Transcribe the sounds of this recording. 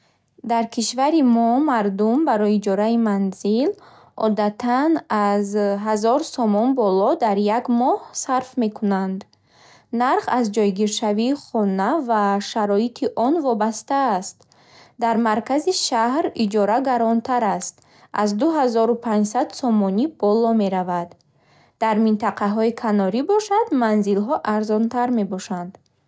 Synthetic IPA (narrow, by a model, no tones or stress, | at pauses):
d̪aɾkʰiʃvaɾimɔmaɾd̪umbaɾɔjiːd͡ʒɔɾaimanzil | ʔɔd̪at̪ʰanazɦazɔɾsɔmɔnbɔlɔd̪aɾjaɡmɔhsaɾfme̞kʰunand̪ | naɾχazd͡ʒɔjɡiɾʃaviːχɔnavaʃaɾɔit̪ʰiʔɔnvɔbast̪aːst̪ | d̪aɾmaɾkaziʃahɾid͡ʒɔɾaɡaɾɔnt̪ʰaɾast̪ | ʔazd̪uɦazɔɾupʰãɲd͡ʒsad̪sɔmɔnib̥ɔlɔme̞ɾavad̪ | d̪aɾmint̪ʰaqʰaɦɔikʰanɔɾibɔʃad̪manzilɦɔʔaɾzɔnt̪ʰaɾme̞bɔʃand̪̥